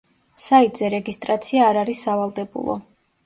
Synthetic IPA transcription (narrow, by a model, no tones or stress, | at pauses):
sait̪ʼzɛɾɛɡist̪ʼɾat̪sʰiaːɾaɾisːavalˠd̪ɛbṵlˠɔ̰